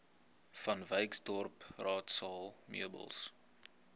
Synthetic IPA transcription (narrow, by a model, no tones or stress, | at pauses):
fɐnvəjksdɔrprɑːtsɑːlˠmḭəbə̰lˠs